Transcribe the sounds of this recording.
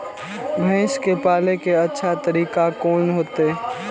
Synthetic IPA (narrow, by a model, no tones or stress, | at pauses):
bʱɛ̃ːʃkepaːlekeɐtːʃʰat̪əɾiːkakoːnɦoːt̪eː